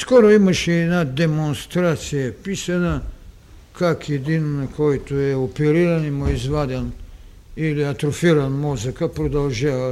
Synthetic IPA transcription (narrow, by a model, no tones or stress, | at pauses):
skoɾoimaʃɛɛnad̪ɛmonst̪ɾat̪sijapisana | kakjed̪innakʰojt̪ojɛopɛɾiɾanimoizʋad̪ʲan | iliat̪ɾofiɾanmozakapɾod̪alˠʒaʋa